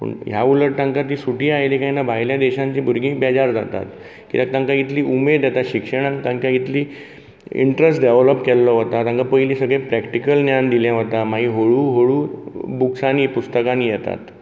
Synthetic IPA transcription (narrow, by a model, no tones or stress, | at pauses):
pə̰ɳjauləʈʈãŋkat̪̬iːsuʈiːajlikaɦinabʱaɦjljad̪ɛɕãɲt͡ɕiːbʱuɾɡĩːkbɛd͡ʑaɾd͡za̰t̪a̰t̪ | kit̪akt̪ãŋkait̪liːʔumed̪jɛt̪at̪ɕikʂəɽ̃ãŋt̪ãŋkait̪liː | ḭɳʈɾesʈɖɛʋləpkɛlːɔɦot̪at̪aŋkapəjliːsəɡɭẽpɾɛkʈikəlnjand̪iljaɦət̪amaɦiɦoɭuːɦoɭuːbuksaniːpust̪əkaniːjɛt̪a̰t̪